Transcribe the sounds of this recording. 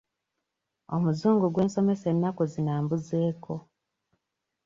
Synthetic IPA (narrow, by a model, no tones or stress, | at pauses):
o̰muzuːŋɡuɡwe̞ːnso̞me̞se̞nːakuzinaːmbuze̞ːkʰo̞